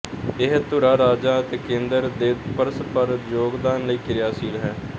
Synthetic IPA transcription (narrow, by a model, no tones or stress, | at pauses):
ɪɦt̪ʊɾaːɾaːd͡ʒaːət̪eːkẽːnd̪əɾd̪eːd̪pəɾəspəɾjoːɡd̪aːnləiːkʰɪɾjaːsiːlɦɛː